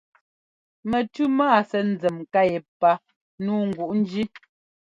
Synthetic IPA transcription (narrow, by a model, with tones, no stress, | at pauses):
mɛ˨tʉ˦maː˦˨sɛ˨n̩˨˦d͡zɛ˨mka˦˨jɛ˨pa˦ | nuː˦ŋ̩˨ɡu˨ʔn̩˦d͡ʒi˦